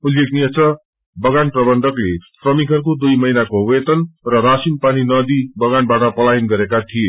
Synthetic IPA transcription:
ulekniʌt͡sʌ | bʌɡanprʌbʌnd̪ʱʌklesrʌmikʌrkod̪ujmʌɦinakowet̪ʌnrʌɾasinpaninʌd̪ibʌɡanbaʈʌpʌlaɦinɡʌɾekat̪ʰije

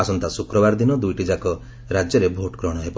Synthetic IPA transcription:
asɔnt̪asukɾɔbaɾd̪inɔd̪ujʈid͡ʒakɔ | ɾad͡ʒjɔɾebʱoʈkɾɔɽ̃ɔɦepɔ

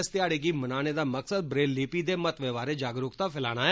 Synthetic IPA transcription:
st̪ɪjaːɽeːɡiːmənaːñeːd̪aːməksəd̪̚bɾeːlːiːpiːd̪eːmət̪ʋeːʋaːɾeːd͡ʒaːɡɾʊkt̪aːpɪlaːɽ̃aː

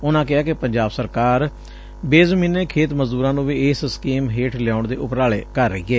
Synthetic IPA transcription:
ʊnãːkɪaːkɪpəɲd͡ʒaːbsəɾkaːɾ | beːzmiːnːeːkʰeːt̪məzd̪uːɾãːnũːʋiːɪsskiːmɦeːʈʰlɪjaːʊɳd̪eːʔʊpɾaːɭeːkəɾːəiːɛː

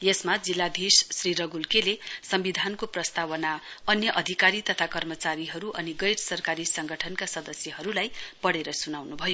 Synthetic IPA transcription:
jesmad͡zilːad̪ʱissriɾʌɡulkelesʌmbid̪ʱankoprʌst̪awʌnaʌnjʌʔʌd̪ʱikaɾit̪ʌt̪ʰakʌrmʌt͡saɾiɦʌɾuʔʌniɡʌjɾsʌrkaɾisʌŋɡʱʌʈʰʌnkasʌd̪ʌsjʌɦʌɾulajpʌɽeɾʌsunawnubʱʌjo

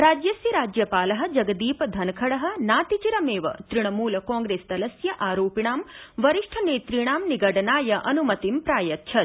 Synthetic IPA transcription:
ɾaːd͡ʒjɐsjɐɾaːd͡ʒjɐpaːlɐɦɐ̆d͡ʒɐɡɐd̪iːpɐd̪ʱɐnɐkʰɐɽɐɦɐ̆naːt̪it͡ʃiɾɐmeːʋɐ̰t̪ɾiɳ̃ɐmuːlɐkaːŋɡɾeːst̪ɐlɐsjɐʔaːɾoːpiɳ̃aːmʋɐɾiʂʈʰɐneːt̪ɾiɳ̃aːmniɡɐʈɐnaːjɐʔɐnumɐt̪impɾaːjɐt̪ːʃʰɐt̪

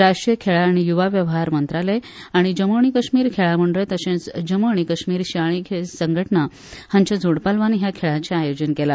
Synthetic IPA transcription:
ɾaʂʈɾijəkʰeɭaːɽ̃ijuʋaʋjəʋɦaɾmənt̪ɾaleaɽ̃id͡ʑəmoɳ̃ikəɕmiːɾkʰeɭaməɳɖɾet̪əɕẽt͡sd͡ʑəməɳ̃ikəɕmiːɾɕiaɭ̃ikʰesəŋɡʱəʈna | hãɲt͡ɕad͡zʱoɽpalʋanːiɦjakʰeɭat͡ɕjaaːjod͡ʑənkela

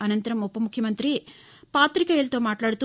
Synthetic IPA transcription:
ɐnɐnt̪ɐɾɐmɔpːɐmukʰjɐmɐnt̪ɾi | paːt̪ɾikɐelt̪oːmaːʈlaːɽt̪u

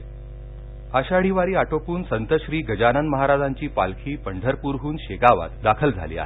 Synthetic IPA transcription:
aɕaɽ̤iʋaɾiːaʈopuːnsənt̪əɕɾiːɡʱəd͡ʑanənməɦaɾad͡zaɲt͡ɕiːpalkʰiːpəɳɖʱəɾpuɾɦuːnɕeɡaʋa̰t̪d̪akʰəld͡zʱa̰lḭːa̰ɦe

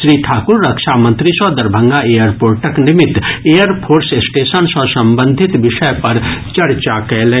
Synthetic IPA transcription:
ʃɾiːʈʰaːkʊɾːɐkʃaːmə̃nt̪ɾisɔd̪ɐɾbʱə̃ŋɡaeːjəɾpoːɾʈəknɪmɪt̪eːjəɾpʰoːɾsesʈeːʃənsɔ̃sɐ̃mbə̃nd̪ʱɪt̪ʋɪʃəjpɐɾt͡ʃɐɾt͡ʃakɛlẽː

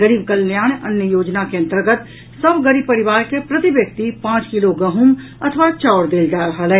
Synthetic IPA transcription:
ɡəɾiːb̚kəljaːɳənjəjoːd͡ʒnakeə̃nt̪əɾɡət̪ | səbɡəɾiːb̚pəɾɪʋaːɾkepɾət̪ibjək̚t̪ipãːt͡ʃkɪloɡɐɦum | ɐt̪ʰəʋat͡ʃaːɾd̪eːld͡ʒaːɾəɦəlɛː

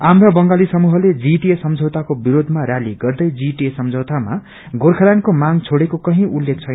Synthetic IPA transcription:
amɾabʌŋɡalisʌmuɦʌled͡ziʈiesʌmd͡zʱʌwt̪akobiɾod̪ʱmaɾaliɡʌrd̪ʌjd͡ziʈiesʌmd͡zʱʌwt̪ama̰ | ɡorkʰʌɾankomaŋt͡sʰoɽekokʌɦĩʔulːek̚t͡sʰʌn

